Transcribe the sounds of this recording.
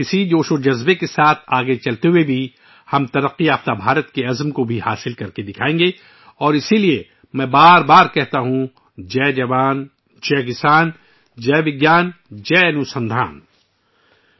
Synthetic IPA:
ɪsid͡ʒoːʃod͡ʒɐzbekesaːt̪ʰaːɡet͡ʃɐlt̪eɦuebʱi | hɐmt̪ɐɾəqːiaːft̪abʱaːɾət̪keɐzmkobʱihaːsɪlkɐɾked̪ɪkʰaːẽːŋɡe | ɔːɾɪsilie | mɛ̃ːbaːɾbaːɾkɛɦt̪aɦũ | d͡ʒɛːd͡ʒɐʋaːn | t͡ʃɛːkɪsaːn | d͡ʒɛːʋɪɡjaːnd͡ʒɛːnusɐ̃nd̪ʱaːn

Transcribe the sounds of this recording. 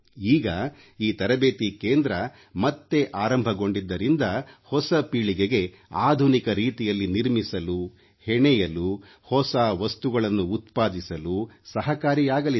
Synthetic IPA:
iːɡɐ | iːt̪ɐɾɐbeːt̪ikeːnd̪ɾɐ | mɐt̪ːe̞ʔaːɾɐmbʱɐɡo̞ɳɖid̪ːɐɾind̪ɐhɔsɐpiːɭiɡeɡe̞ | aːd̪ʱunikɐɾiːt̪ijɐlːiniɾmisɐlu | hɛɳɛjɐlu | hɔsaːʋɐst̪uɡɐɭɐnːuːt̪paːd̪isɐlusɐɦɐkaːɾijaːɡɐli

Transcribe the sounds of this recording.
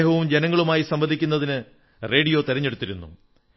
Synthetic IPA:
ɦɐʋumd͡ʑe̞nɐŋːɐɭumaːjisɐmbɐnd̪ʱikʲːunːɐðinɨ | re̞ːɽijo̞ːt̪iɾɐɲːe̞ɽut̪ːiɾunːṵ

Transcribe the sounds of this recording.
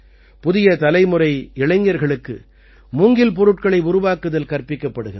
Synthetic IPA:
pʊðɪjɐt̪ɐlɐɪmɯɾɐɪɪɭɐɪŋɡɐɾɣɐɭɯkːɯ | mʊːŋɡɪlp̬ɔɾɯʈ̚kɐɭɐɪʊɾʊʋaːkːɯðɐlkɐrpɪkːɐpːɐɽɯɣɪn

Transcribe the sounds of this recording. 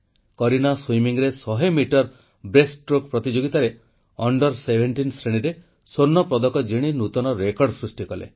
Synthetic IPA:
kɔɾinaswimiŋɾesɔɦemiʈɔɾ | bɾesʈɾokpɾɔt̪id͡ʒoɡit̪aɾe | ɔɳɖɔɾsebʱeɳʈinsɾeɽ̃iɾe | sonːɔpɾɔd̪ɔkɔd͡ʒiɽ̃inut̪ɔnɔɾekɔɾɖsɾusʈikɔlḛ

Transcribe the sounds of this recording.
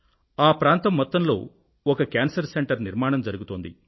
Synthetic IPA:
aːpɾaːnt̪ɐmːɔt̪ːɐmlo̞̰ː | ɔkɐkʲjaːnsɐɾseɳʈɐɾniɾmaːɳɐmd͡ʒɐɾuɡut̪oːnd̪ḭ

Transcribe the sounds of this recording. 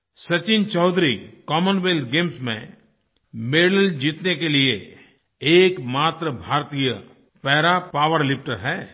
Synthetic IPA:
sɐt͡ʃɪnt͡ʃɔːd̪ʱɾikɔːmənʋeld̪ɡeːmsmḛ̃ | meːɽəld͡ʒiːt̪nekelie | eːkmaːt̪ɾəbʱaːɾt̪iːjə | pɛːɾapaːʋəɾlɪp̚ʈəɾɦɛː

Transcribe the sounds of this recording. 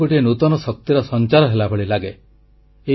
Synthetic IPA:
oʈienut̪ɔnɔsɔk̚t̪iɾɔsɔnt͡ʃaɾɔɦelabʱeɭilaɡe | e

